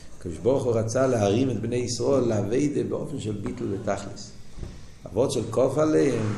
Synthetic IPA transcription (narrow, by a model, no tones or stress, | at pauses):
akɔdɪʃbɔʁχʊʁat͡salɪaʁimɪtbneɪisʁɔɪlˠːaveɪdəbɪɔ̰fn̩ʃɛlˠbitl̩ˠvətaχlis | a̰vɔtʃɛlˠkɔfaleɪm